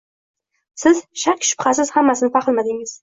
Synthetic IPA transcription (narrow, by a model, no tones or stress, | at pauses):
sɪzʃakʲʃʊ̥pχasɪz̥hamːasɪnɪpʰɑqɨlˠmad̪ɪŋɪz̥